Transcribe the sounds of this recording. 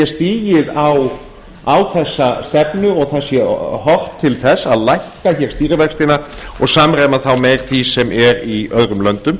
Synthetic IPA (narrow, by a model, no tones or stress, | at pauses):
ɛst̪iːjɪðaw | awθɛsːast̪ɛpnʏɔɣθasjɛhɔr̥t̪ʰːɪlθɛsːaðlajhkaçɛɾst̪iːɾɪvɛkst̪ɪnaɔɣsaːmɾeːjmaθawmɛɾθisɛmʔɛɾiœðɾʏmlœnt̪ʏm